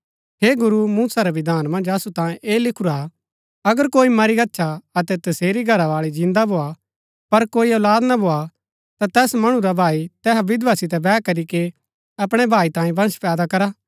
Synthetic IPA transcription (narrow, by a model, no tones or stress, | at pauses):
ɦeːɡʊɾumũːsaɾaʋɪd̪ʱaːnmɐ̃nd͡ʒɐsut̪ãːjẽʔeːlɪkʰʊɾa | ɐɡəɾkoːimɐɾiɡɐtːʃʰaɐt̪ɛt̪ɐseːɾiɡʱɐɾaʋaːɭid͡ʒɪ̃nd̪abʱoːa | pɐɾkoːiɔːlaːd̪nabʱoːa | t̪at̪ɛːsmɐɽ̃ũɾabʱaːit̪ɛːɦaʋɪd̪ʋasɪt̪̬ɛbɛːkɐɾike | ɐpɽ̃ɛbʱaːit̪ãːjẽbɐ̃ɽ̃spɛːd̪akɐɾaː